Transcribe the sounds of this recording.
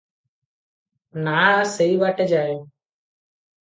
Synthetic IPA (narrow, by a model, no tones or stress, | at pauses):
naːseiʋaːʈed͡ʒaːjo